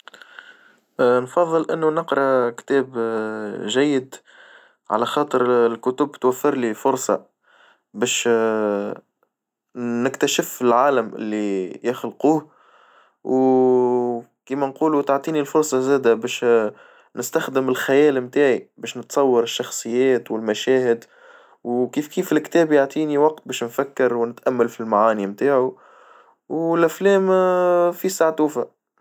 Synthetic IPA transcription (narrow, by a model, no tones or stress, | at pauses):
ʔnfɑðˤːɨlʔɪ̰nːunəqɾˤɑkt̪ɛːb | ʒæjːɪd̪ | ʕa̰læxɑːt̪ˤəɾlkʊt̪ʊbt̪wæfːɪɾlifʊɾsˤɑ̰ | bɛːʃ | nɪkt̪æʃɪfɪlʕaːləmʔɪ̰lːijɪxlquːh | w | kiːmænquːlut̪aʕt̪ˤiːnilfʊɾsˤɑzæːd̪æbɛːʃ | nɪst̪æxd̪əmɪlxæjɛːlmt̪aːʕibɛːʃnət̪sˤɑwːɑɾɪʃːɑxsˤɨjːæːt̪wɪlmæʃɛːhɪd̪ | wkiːfkiːfɪlkt̪ɛːbjaʕt̪ˤiːniwɑq̚t̪̚bɛːʃnfækːɑɾwnɪt̪ʔæmːælfilmaʕaːnimt̪aːʕu | wɪlʔæflɛːmfisaʕt̪uːfa